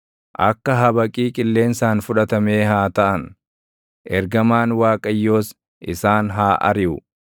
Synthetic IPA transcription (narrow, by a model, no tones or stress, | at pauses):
ʔɐkːɐɦɐbɐkʼiːkʼɪlːe̞ːnsaːnfʊᶑɐt̪ɐme̞ːhaːt̪ɐʔɐn | ʔɛɾɡɐmaːnwaːkʼɐjːo̞ːs | ʔɪsaːnɦaːʔɐ̰ɾɪʔʊ